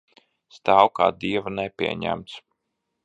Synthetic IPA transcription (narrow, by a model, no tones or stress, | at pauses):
st̪aːwka̰ːd̪iɛvanɛpʲiɛɲæ̰mt̪s